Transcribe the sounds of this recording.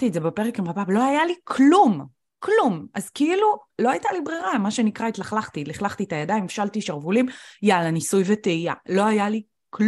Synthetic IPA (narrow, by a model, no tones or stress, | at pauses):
t̪iedzebepe̞ʁekimʁabablo̞ajalikʰlum | klumʔazkiilulo̞ajtalibʁiʁamaʃenikʁait̪laχlaχt̪iliχlaχt̪iet̪ajadaimefʃaltiʃaʁvulimjalanisujveteialo̞ajali | k